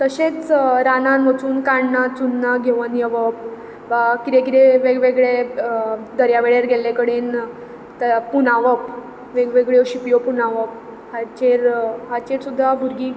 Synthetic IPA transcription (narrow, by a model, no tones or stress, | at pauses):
t̪əɕẽt͡sɾananʋət͡suːnkaɳnat͡sunːaɡʱeʋənjəʋəp | ʋakiɾekiɾeʋeɡʋeɡɭe | d̪əɾjaʋeɭeɾɡʱelekəɽen | t̪punaʋəp | ʋeɡʋeɡɭeoɕipjopunaʋəp̚ | hat͡ɕeɾɦat͡ɕeɾsud̪ʱːabʱuɾɡi